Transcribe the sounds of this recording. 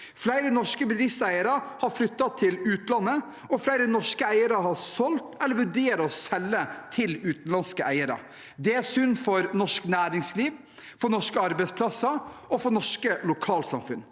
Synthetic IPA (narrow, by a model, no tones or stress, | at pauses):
flæɪɾənɔʂkəbəd̪ɾɪfsæɪəɾɑhɑɾflʏt̪ːɑt̪ʰɪlʉːt̪nlɑnːə | ɔflæɪɾənɔʂkəæɪəɾɑhɑɾsɔlt̪ɛlːəɾʋʉɖeːɾɔsɛlːət̪ʰɪlʉːt̪n̩lɑnskəʔæɪəɾɑ̰ | d̪ɛæɾsʏnːfɔɾnɔʂknæːɾɪŋsliːʋ | fɔnɔʂkəɑɾbɛɪtspʰlɑsɑʔɔfɔɳɔʂkəlʊkʰɑːlsɑmfʉn